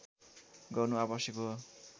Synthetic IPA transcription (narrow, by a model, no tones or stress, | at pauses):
ɡʌrnuabʌsjʌko